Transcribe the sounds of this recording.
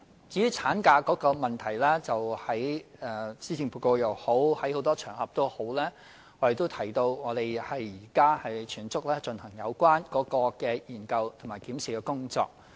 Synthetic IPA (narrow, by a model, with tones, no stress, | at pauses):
t͡si˨˥jyː˥t͡sʰaː˨˥nkaː˧kɔː˨˥kɔː˧mɐ˨nt̪ʰɐ˨˩jlɛː˥t͡sɐ˨whɐ˨˥jɛ˨˧siː˥t͡sʰɪ˧ŋpʰuː˨˧ko˧wjɐ˨˩who˨˥whɐ˨˥jho˨˥wt̪ɔː˥t͡ʃʰœː˨˩ŋhɐ˨p̚t̪o˥who˨˥wlɛː˥ | ŋɔ˨˧t̪e˨jt̪̬o˥wt̪ʰɐ˨˩jt̪o˧wŋɔː˨˧t̪e˨˩jhɐ˨jːiː˨˩kaː˥hɐ˨jt͡ʃʰyː˨˩nt͡sʊ˥k̚lɛː˥t͡ʃɵ˧nhɐ˨˩ŋjɐ˨˧wkʷwaː˥nkɔː˨˥kɔː˧kɛː˧jiː˨˩nkɐ˧wt̪ʰʊ˨˩maː˨˩jkiː˨˥msi˨kɛː˧kʊ˥ŋt͡sɔ̰ː˧k̚